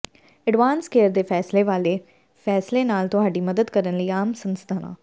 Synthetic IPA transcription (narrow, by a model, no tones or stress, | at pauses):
əɖʋaːnskeːəɾd̪eːpʰɛːsleːʋaːleː | pʰɛːsleːnaːlt̪ʊɦaːɖiːməd̪əd̪kəɾənləiːaːmsənst̪ʰaːnã̰ː